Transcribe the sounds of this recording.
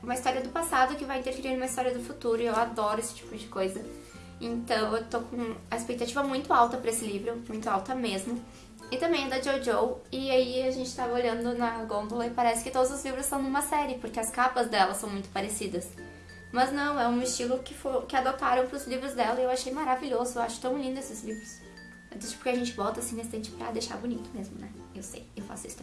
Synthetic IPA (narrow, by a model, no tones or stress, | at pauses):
ũmɐist̪ɔɾiɐd̪ʊpasad̪ʊkɪvajĩt̪eɾfeɾiɾnũmɐist̪ɔɾiɐd̪ʊfut̪uɾʊɪewad̪ɔɾʊesɪ̥t͡ʃi̥pʊd͡ʒɪkojzɐ | ẽnt̪ɐ̃w̃ewt̪okõɐespek̚t̪at͡ʃivɐmũj̃t̪ʊawt̪ɐpɾɐesɪlivɾʊmũj̃t̪ʊawt̪ɐmezmʊ | ɪt̪ɐ̃mbẽj̃ɛd̪ɐd͡ʒowd͡ʒowɪaiaʒẽnt͡ʃɪ̥t̪avɐoʎɐ̃nd̪ʊnɐɡõnd̪ʊlɐɪpaɾɛsɪ̥kɪt̪od̪ʊzʊzlivɾʊsːɐ̃w̃nũmɐsɛɾɪpoɾkeɐskapɐzd̪ɛlɐsɐ̃w̃mũj̃t̪ʊ̥paɾesid̪ɐs | mɐznɐ̃w̃ɛũɪst͡ʃilʊkɪfoɾkɪad̪ot̪aɾɐ̃w̃pɾʊzlivɾʊzd̪ɛlɐewaʃejmaɾaviʎozʊewaʃʊ̥t̪ɐ̃w̃lĩnd̪ʊesɪzlivɾʊs | ɛd̪esʊ̥poɾkɪaʒẽnt͡ʃɪvɔt̪ɐasĩnest̪ẽnt͡ʃɪ̥pɾɐ̰d̪ejʃa̰ɾbunit̪ʊmezmʊnɛewsḛjewfa̰sʊḭsʊ